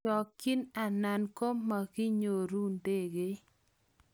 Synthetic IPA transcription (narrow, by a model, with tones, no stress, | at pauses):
ɔ˨kːi˦na˨na˨nko˦ma˨ɡɪ˦ɲo˨ɾu˦nde˦˨ɡe˦